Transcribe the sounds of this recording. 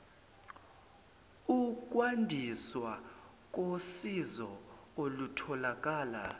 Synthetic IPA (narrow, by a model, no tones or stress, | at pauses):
uk̬ʼwandʱiswa | k̬ʼosizɔ | olutʰɔlakʼaːla̰